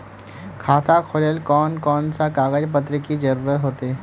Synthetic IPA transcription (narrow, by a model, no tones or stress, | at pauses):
kʰaːt̪ʰakʰoləlkɔːnkɔːnsakaːɣəd͡ʒp̬ət̪ɾəkid͡ʒɐɾuːɾət̪ɦoːt̪eɛ